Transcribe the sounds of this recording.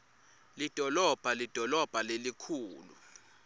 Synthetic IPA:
lid̥ʱɔlɔb̥ʱalid̥ʱɔlɔb̥ʱalelikʰuːlṵ

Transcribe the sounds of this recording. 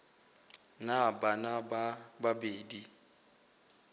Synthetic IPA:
nabanabbabeːdi

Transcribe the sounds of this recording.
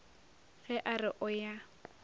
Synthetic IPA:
fɛʔarɪʔɔja

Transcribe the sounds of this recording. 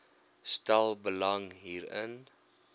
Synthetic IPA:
stælˠbəlɐŋɦiːɾə̰n

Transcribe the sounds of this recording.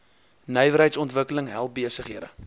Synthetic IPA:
nœjvəɾɦəjtsɔntvəkələŋɦælˠp̚biəsəχɦiəɾə̰

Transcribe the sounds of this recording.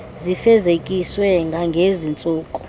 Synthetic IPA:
zifɛzekʼiswɛŋɡʱaŋɡʱezint͡sʼuːkʼɔ̥

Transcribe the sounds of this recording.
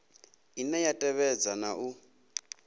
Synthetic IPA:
inɛjatʼɛβɛd͡zanaʔu

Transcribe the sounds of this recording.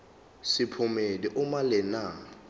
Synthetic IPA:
sɪpʰʊmediʔʊmalɪna

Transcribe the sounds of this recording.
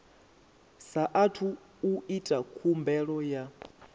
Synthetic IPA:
saʔatʰuː | itʼakʰumbɛɺɔja

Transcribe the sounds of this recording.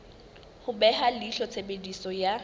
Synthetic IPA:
hʊbɛhaliɬɔt͡sʰebedisɔja

